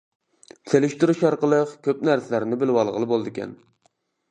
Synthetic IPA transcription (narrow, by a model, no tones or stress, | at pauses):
t̪ʰelɪʃt̪uɾuʃɑɾqəlˠəqkʲʰøpnæɾsɪlæɾnɪbɪlwɑlˠʁəlˠɨbolˠd̪ɪkʲɛ̰n